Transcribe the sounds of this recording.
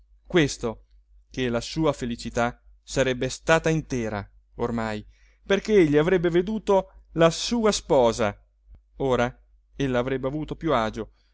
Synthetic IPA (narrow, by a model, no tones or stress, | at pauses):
kwest̪o | kelasuːafelit͡ʃit̪a | saɾɛbːest̪aːt̪aint̪ɛːɾa | ormaj | perk̟eeʎːiavɾɛbːeved̪uːt̪olasuːaspɔːza | oːɾa | elːaːvɾɛbːeavuːt̪opjuaːd͡ʒo